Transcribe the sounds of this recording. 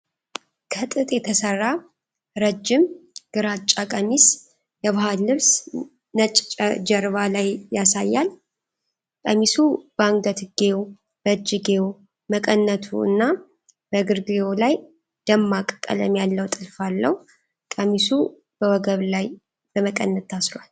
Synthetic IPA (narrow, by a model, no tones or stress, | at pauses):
kʰət̪ʼɨt̪ʼjɛt̪ʰəsərːa | ɾəd͡ʒːɪmɡ̥ɨɾat͡ʃʼːakʼəmis | jɛβahalːɨβs | nət͡ʃʼt͡ʃʼəd͡ʒəɾβalajjasajːal | kʼəmisubəaŋɡət̪ɡ̥ew | b̥əd͡ʒɪɡew | məkʼənːət̪ʰṵɨ̰nːa | b̥əɡɨɾɡjolaj | d̪̥əmːakʼkʼːə̰lə̰mjalːəwt̪ʼɨlfalːə̰hu | kʼəmisu | b̥əwɔɡəβlaj | b̥əməkʼənːət̪ʰːasɾwal